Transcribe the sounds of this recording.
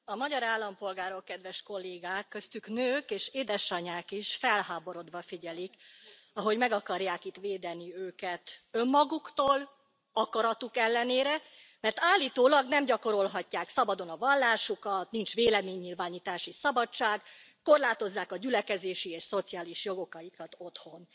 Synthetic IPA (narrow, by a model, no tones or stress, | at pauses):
ɒmɒɟɒɾaːlːɒmpo̞lɡaːɾo̞kːɛd̪ʋɛʃko̞lːeːɡaːkːø̞st̪yknøːkeːʃeːd̪ɛʃɒɲaːkiʃfɛlhaːbo̞ɾo̞d̪ʋɒfiɟɛlik | ɒɦo̞ɟmɛɡɒkɒrjaːkit̪ʋeːd̪ɛniøːkɛt̪ø̞mːɒɡukt̪oːl | ɒkɒɾɒt̪ukɛlːɛneːɾɛ | mɛrt̪aːlːiːt̪oːlɒɡnɛmɟɒko̞ɾo̞lɦɒcːaːksɒbɒd̪o̞nɒvɒlːaːʃukɒt̪nint͡ʃveːlɛmeːɲːilvaːɲiːt̪aːʃisɒbɒt͡ʃaːɡ | ko̞rlaːt̪o̞zːaːkɒɟylɛkɛzeːʃieːʃso̞t̪sijaːliʃjo̞ɡo̞kɒjikɒt̪o̞t̪ho̞n